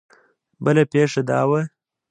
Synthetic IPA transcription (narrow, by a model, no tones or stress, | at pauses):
bəlapeʂad̪ɑ̰ːwə